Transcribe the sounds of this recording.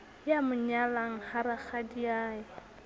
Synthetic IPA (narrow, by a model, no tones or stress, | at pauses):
jamʊɲalaŋ̩haɾaχadiaːjɪ